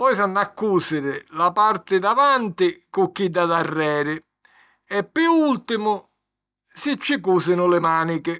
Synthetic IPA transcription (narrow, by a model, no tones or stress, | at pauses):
pɔjsanːakːuːsɪɾɪlapaɾt̪ɪd̪avant̪ɪkʊk̟ːid̪ːad̪arːɛːɾɪ | ɛpːuult̪ɪmʊ | sɪt͡ʃːɪkuːsɪnʊlɪmaːnikɪ